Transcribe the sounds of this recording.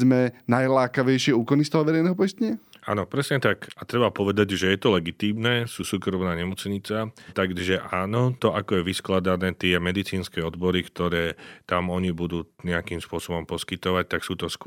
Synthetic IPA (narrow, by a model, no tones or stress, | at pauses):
mɛnajlaːkaʋɛjʃɪɛuːkɔnist̪ɔɦɔʋɛɾɛjnɛɦɔpɔjst̪ɛɲaa̰ːnɔpɾɛsɲɛt̪akat̪ɾɛbapɔʋɛd̪aɟʒɛjɛt̪ɔlɛɡit̪iːmnɛːsuːsuːkɾɔmnaːɲɛmɔt͡sɲit͡sat̪aɡʒɛʔaːnɔt̪ɔʔakɔjɛʋisklad̪anɛːt̪ɪɛmɛd̪it͡siːnskɛːɔd̪bɔɾikt̪ɔɾɛːt̪amɔɲibud̪uːɲɛakiːmspʊɔsɔbɔmpɔskit̪ɔʋac̚t̪aksuːt̪ɔsk